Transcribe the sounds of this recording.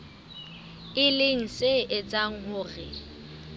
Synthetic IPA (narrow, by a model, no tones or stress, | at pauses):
ɪlɪŋ̩seʔɪt͡sʼaŋ̩ɦʊːrɪ